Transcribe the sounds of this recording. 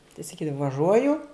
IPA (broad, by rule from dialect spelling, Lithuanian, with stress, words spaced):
tɐɪ sɐˈkʲiːdɐʋɐ ʋɐˈʒuɔjʊ